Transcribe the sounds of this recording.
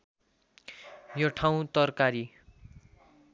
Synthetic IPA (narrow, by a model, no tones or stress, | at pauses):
joʈʰaw̃t̪ʌrkaɾi